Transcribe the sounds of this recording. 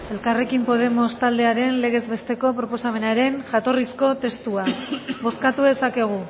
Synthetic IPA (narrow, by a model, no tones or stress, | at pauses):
e̞lkare̞kimpo̞ð̞e̞mo̞st̪ald̪eaɾe̞nle̞ɣ̞e̞zβe̞st̪e̞ko̞pɾo̞po̞same̞naɾe̞nʝat̪o̞risko̞t̪e̞st̪uaβo̞skat̪uðe̞sake̞ɣ̞u